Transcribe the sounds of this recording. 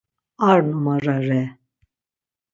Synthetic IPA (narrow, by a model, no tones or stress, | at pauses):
aɾnumaɾaɾɛ